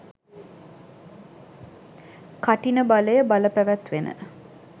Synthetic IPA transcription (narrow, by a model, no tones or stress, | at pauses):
kaʈinəbaləjəbaləpæʋæt̪ʋenə̰